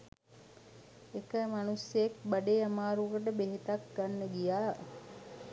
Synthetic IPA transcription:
ekəmanusjek̚baɖeːamaːɾukəʈ̬əbeɦit̪ak̚ɡanːəɡijaː

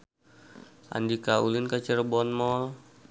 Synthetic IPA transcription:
ʔa̰ndikaulinkat͡ʃərbɔnmɔl

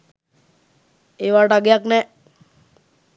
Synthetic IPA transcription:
eʋaʈaɡjaknɛ

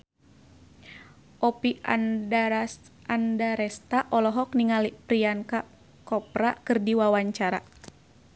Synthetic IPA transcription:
ʔɔpia | andaɾɛst̪aʔɔlɔɦɔkniŋalipɾianka | kɔpɾakɨrdiwawaɲt͡ʃaɾa

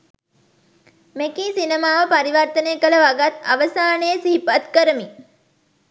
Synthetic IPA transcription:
mekiːsinemaːʋəpaɾiʋəɾt̪ənejːkələʋaɡat̪aʋəsaːnəjəsiɦipat̪kəɾəmi

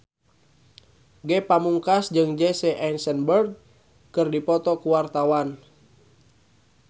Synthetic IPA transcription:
ɡɛpamuŋkasd͡ʒɨŋd͡ʒɛsɛʔɛnsənbərɡ̚ | kɨrdipɔt̪ɔkuwart̪awan

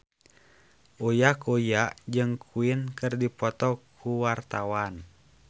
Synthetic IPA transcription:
ʔojakojaʔd͡ʒɨŋkʰuinkɨrdipɔt̪ɔkʰuwart̪awan

